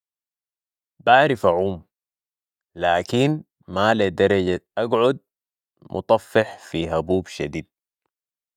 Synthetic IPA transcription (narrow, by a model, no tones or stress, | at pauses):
baʕɾifaʕuːm | laːkin | maled̪ɑɾˤɑɟaʔaɡʕud̪̚ | mʔʊ̰t̪ˤɑfːɪħfiɦabuːbʃa̰d̪iːd̪̚